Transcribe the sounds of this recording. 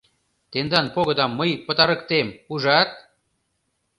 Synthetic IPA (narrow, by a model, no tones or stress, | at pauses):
t̪end̪ɑnpoɣə̆d̪ɑmːəjpət̪ɑɾə̆kt̪emuʒɑt̪̚